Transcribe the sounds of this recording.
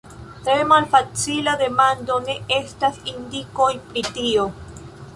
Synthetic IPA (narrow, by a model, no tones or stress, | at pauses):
t̪ɾemalfat͡silad̪e̞mand̪o̞ne̞e̞stasind̪iko̞jpɾit̪io